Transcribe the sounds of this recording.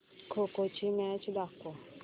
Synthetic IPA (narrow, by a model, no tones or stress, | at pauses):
kʰokot͡ʃʰimɛ̃t͡ʃʰd̪akːo